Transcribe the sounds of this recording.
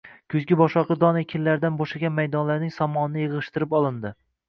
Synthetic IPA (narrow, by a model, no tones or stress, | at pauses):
kʰʊzɡʲɪbɒʃɒqɨd̪ɒnekʲʰɪnlaɾd̪anbɒʃaɡʲanmajd̪ɒnlaɾnɪŋsɒmɒnɪnɪjeʁɨʃt̪ɪɾɪpɒlˠɪnd̪ɪ